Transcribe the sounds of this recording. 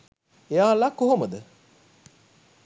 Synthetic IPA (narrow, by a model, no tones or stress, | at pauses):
ejaːlakoɦoməd̪ə